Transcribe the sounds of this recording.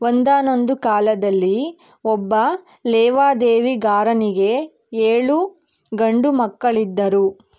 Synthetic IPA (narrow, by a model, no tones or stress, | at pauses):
ond̪aːno̞nd̪ukaːlɐd̪ɐlːi | ɔbːɐ | lɛːʋaːd̪eːʋiɡaːɾɐniɡe̞ | eːɭu | ɡɐɳɖumɐkːɐɭid̪ːɐɾu